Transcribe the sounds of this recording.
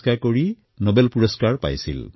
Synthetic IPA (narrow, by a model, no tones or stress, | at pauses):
kaɹkoɹi | nɔbɛlpuɹɔskaɹpa̰jsḭl